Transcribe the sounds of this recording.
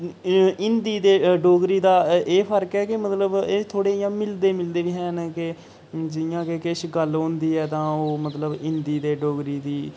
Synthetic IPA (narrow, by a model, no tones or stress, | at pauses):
ɪnd̪iːd̪eːɖoːɡɾiːd̪aːʔeːpʰəɾkɛːkɪmət̪ləbeːt̪ʰoːɽeːjãːmɪld̪eːmɪld̪eːʋiːɦɛːnkɪ | d͡ʒɪjãːkekɪʃɡəlɦõːnd̪iːɛːt̪ãːoːmət̪ləbɪnd̪iːd̪eːɖoːɡɾiːd̪iː